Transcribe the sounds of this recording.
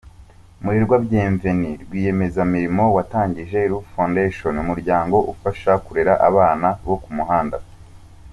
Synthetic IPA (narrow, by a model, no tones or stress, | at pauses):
muɾiɾɡwabɟeːɱve̞niɾɡwiːje̞me̞zamiɾimo̞wataːɲɟiʒe̞iɾufondeʃonumuɾɟaːŋɡo̞ʔufaʃakuɾeɾaʔaβaːnaβokumuɦaːnda